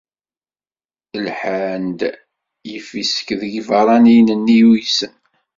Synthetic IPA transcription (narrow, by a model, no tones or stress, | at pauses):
əlħand̪ | jəfisə̥kðəɡvɑɾˤɑnijnənːijujsən